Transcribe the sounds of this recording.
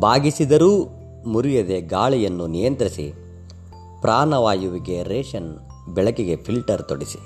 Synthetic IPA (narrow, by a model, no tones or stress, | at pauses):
bʱaːɡisid̪ɐɾuː | muɾijɐd̪eɡaːɭijɐnːunijɐnt̪ɾisḭ | pɾʔaːnɐʋaːjuʋiɡe̞ɾeːʃɐn | bɛɭɐkiɡe̞pʰilʈɐɾt̪oɽisi̥